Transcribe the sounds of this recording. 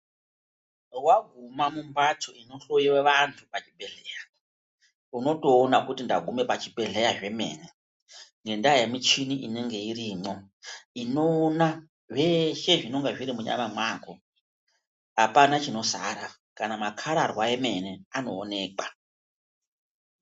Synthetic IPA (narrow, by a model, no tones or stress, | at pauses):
rwaɡʱumamumbatʰoino̞ɬojiweʋantʰupat͡ʃibʱe̞ɮeːja | uno̞to̞ːnakutindaɡʱume̞pat͡ʃibʱe̞ɮe̞jaʐe̞me̞̰ːne̞ | ŋɡe̞ndajemit͡ʃiniʔine̞ŋɡe̞iɾiːmo̞ | ino̞ːna | ʐe̞ʃe̞ʐino̞ŋɡeʐiɾimuɲa̰mamwaːko | ɦapanat͡ʃino̞saɾa | kanamakʰaɾarwae̞me̞ne̞ano̞ːne̞ːkwa